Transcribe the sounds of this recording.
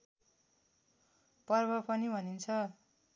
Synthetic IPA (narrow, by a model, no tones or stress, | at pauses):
pʌrbʌpʌnibʱʌnint͡sʰʌ